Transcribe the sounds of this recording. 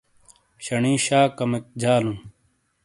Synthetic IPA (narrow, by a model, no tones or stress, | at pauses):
ɕɐɳĩːɕaːkɐmek̚d͡ʑaːlũː